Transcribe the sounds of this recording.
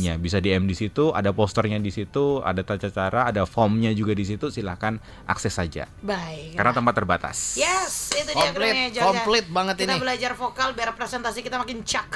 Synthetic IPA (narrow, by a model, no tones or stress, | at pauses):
ɲabis̬adiɛmdisit̪uʔa̰dapɔst̪ərɲadisit̪ua̰dat̪at͡ʃat͡ʃaɾaːdafɔmɲad͡ʒuɡadis̬it̪usilahkan | ʔa̰ksɛsad͡ʒa̰ | baɪkkarnat̪əmpat̪ːərbat̪a̰sjɛsit̪ukapklid͡ʒaɔmplɪt̪̚baŋət̪int̪ibəlad͡ʒarfokalbiarpɾesɛnt̪asikit̪amakɪnt͡ʃak